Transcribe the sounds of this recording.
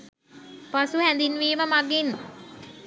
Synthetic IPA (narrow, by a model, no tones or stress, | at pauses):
pasuhænd̪inʋiːməmaɡin